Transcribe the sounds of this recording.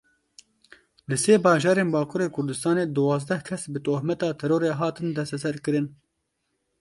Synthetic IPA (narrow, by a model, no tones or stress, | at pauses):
lɨseːbɑːʒɑːɾeːnbɑːkʰuːɾeːkʰʊɾd̪ɨst̪ɑːneːd̪uwɑːzd̪ɛhkʰɛsbɨt̪oːhmɛt̪ɑːt̪ʰɛɾoːɾeːɦɑːt̪ɨnd̪ɛst̪ɛsɛɾkɨɾɨn